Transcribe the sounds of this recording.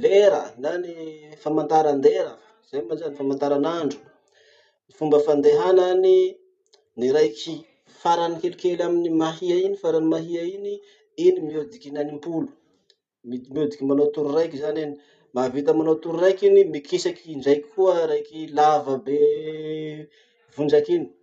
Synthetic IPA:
leɾənanifamant̪aɾand̪eɾafə̥z̥ajmazanifamant̪aɾanaɳɖ͡ʐu̥ | nifumbəfand̪eɦanani | niɾajkʰi | faɾanikelikelaminimaɦiainifaɾanimaɦiaini | inimiod̪ikinanimpulu̥ | mimiod̪ikʲimanot̪uɾurajkizaneni | mavit̪əmanot̪uɾuɾajkinimikʰisakiɳɖ͡ʐajkʲkuəɾajkilavəbe | vuɳɖ͡ʐakini̥

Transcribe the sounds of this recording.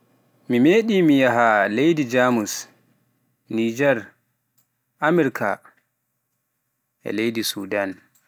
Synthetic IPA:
mimeːɗiːmijaɦalejdid͡ʒamus | nid͡ʒɛɾ | ʔamɛɾikʰa̰ | ʔɛ̰lejdisṵːdan

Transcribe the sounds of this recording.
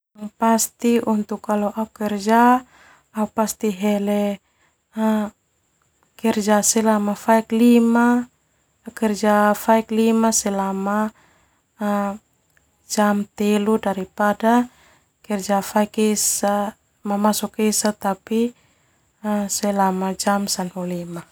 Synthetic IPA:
past̪iʔunt̪ukːaloʔaukɛrd͡ʒa | aupast̪iɦɛlɛ | kɛrd͡ʒasɛlamafaiklima | kɛrd͡ʒafaiklimasɛlama | d͡ʒamt̪eludaɾipada | kɛrd͡ʒafaikɛsa | mamasɔkesat̪api | sɛlamad͡ʒamsanhulima

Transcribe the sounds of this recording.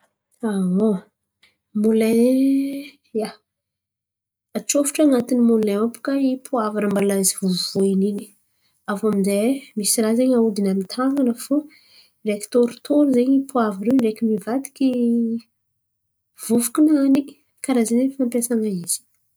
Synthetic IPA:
aɦo | mule | ja | at͡ʃofu̥ʈ͡ʂaŋat̪inimulnaapu̥kaipʰuavaɾəmbalazivuvvoinini̥ | avaminzemisiɾazeɲaud̪inamit̪ʰaŋɡanəfo | reki̥t̪oɾut̪ʰoɾuzeɲipʰuaviɾeɾekʲimivat̪i̥kʲi | v̥uvukinani | kaɾazanefampjasaŋaiz̥i̥

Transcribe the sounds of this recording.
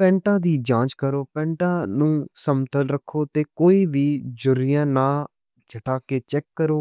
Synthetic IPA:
pɛ̃ːɳʈãːd̪iːd͡ʒãːt͡ʃkəɾoːpɛ̃ːɳʈãːnũːsəmt̪əlɾəkʰːoːt̪eːkoːiːʋiːd͡ʒʊɾɪjãːnaː | t͡ʃʰəʈaːkeːt͡ʃɛkːəɾoː

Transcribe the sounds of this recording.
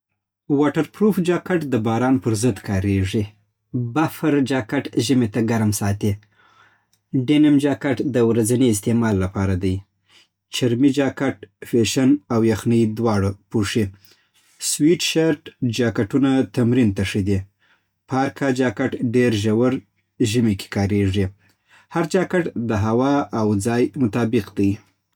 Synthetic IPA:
wɑʈaɾpɾofd͡ʒɑkaʈd̪əbɑɾɑnpəɾzəd̪kɑɾeʐi | bafaɾd͡ʒɑkaʈʒəmet̪aɡaɾmsɑt̪i | ɖenamd͡ʒɑkaʈd̪əwɾazaneɪst̪emɑlːapɑɾad̪aj | t͡ʃɪɾmid͡ʒɑkaʈfeʃanawjaxnəjd̪wɑɽapuʂi | swiʈʃaɾʈd͡ʒɑkaʈunat̪amɾint̪aʂid̪i | pɑɾkʰɑd͡ʒɑkaʈɖeɾʒawaɾ | ʒimike̥kɑɾeʐi | haɾd͡ʒɑkaʈd̪əɦawɑawd͡zɑjmʊt̪ɑbɪqd̪aj

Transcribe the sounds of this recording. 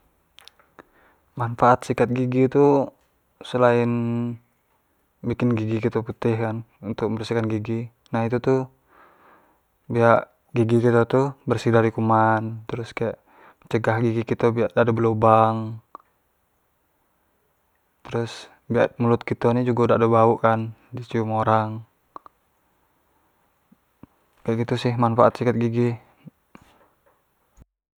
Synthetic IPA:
manfaʔːt̪sikat̪̚ɡiɡit̪u | səlaɪn | bikɪnɡiɡikit̪oput̪ɪhkan | unt̪ʊk̚mbərsikanɡiɡi | naɦit̪ut̪u | biaʔ | ɡiɡikit̪ot̪ubərsidaɾikumant̪əɾʊskajaʔ | t͡ʃəɡahɡiɡikit̪obiaʔdadabəlobaŋ | t̪əɾʊs | biaʔmulʊt̪̚kit̪onid͡ʒuɡaudaːdabauʔkandist͡ʃiumoɾaŋ | kajaʔɡit̪usɪhmanfaʔat̪sikət̪̚ɡiɡi

